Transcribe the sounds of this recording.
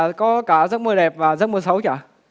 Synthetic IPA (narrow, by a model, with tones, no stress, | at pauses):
kɔ˨˦kaː˧˩zə˦˥t̚mɨ˨˩ə˩ɗɛ˨˩p̚vaː˨˩zə˦˥t̚mɨ˨˩sə˨˦wt͡ɕa̰ː˧˨